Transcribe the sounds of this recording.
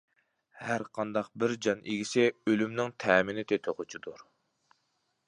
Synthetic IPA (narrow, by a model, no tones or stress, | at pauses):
hæɾqʰɑnd̪ɑq̚bɪɾd͡ʒɑnʔeɡʲisɪølymnɪŋt̪ʰɛːmɪnɪt̪ʰɪt̪ʰoqʰʊt͡ʃʰid̪uɾ